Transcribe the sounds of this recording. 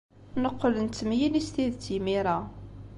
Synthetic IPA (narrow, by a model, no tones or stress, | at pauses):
nəqːələnt̪ːəmjinist̪iðt͡simiɾˤa